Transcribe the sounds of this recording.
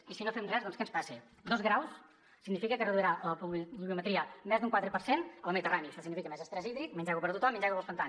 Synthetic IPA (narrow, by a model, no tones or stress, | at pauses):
isinofɛmrɛzðɔnskənspasi | d̪ɔzɣɾaws | sːiɡnifikəkərəðuiɾaplβiumət̪ɾiəmɛzd̪uŋkwat̪ɾəpəɾsenəlˠməðit̪əraniəʃɔsiɡnifikəmɛzəst̪ɾəziðɾik̚mənʲd͡ʒɛɣupəɾt̪ut̪ɔmːənd͡ʒɛɣupəlˠspənt̪an